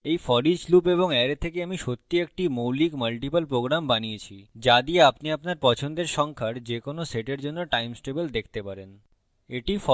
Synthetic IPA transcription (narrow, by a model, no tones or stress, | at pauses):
ejfɔɾid͡ʑlupeβoŋɛɾet̪ʰekeamiʃot̪ːiek̚ʈimowlikməlʈipəlpɾoɡɾambaniet͡ɕʰid͡ʑad̪ieapniapnaɾpɔt͡ɕʰond̪eɾʃɔŋkʰaɾd͡ʑekonoseʈeɾd͡ʑonːoʈajmsʈebəld̪ekʰt̪epaɾen | eʈifɔ